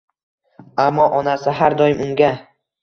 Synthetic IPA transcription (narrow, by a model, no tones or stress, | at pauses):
amːɒʔɒnasɪɦaɾd̪ɒjɪmʊŋɡʲa